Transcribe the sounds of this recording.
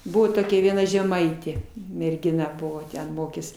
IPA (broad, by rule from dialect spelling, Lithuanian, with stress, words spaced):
ˈbʊʋoː toːˈkʲɛ ʋʲiɛˈnɐ ʒʲɛˈmɐɪtʲeː mʲɛrʲɡʲɪˈnɐ ˈbʊʋoː tʲɛn ˈmoːkʲeːs